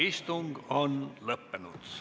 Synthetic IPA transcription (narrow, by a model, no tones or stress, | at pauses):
ist̪uŋɡ̥onlɤpːenud̪̥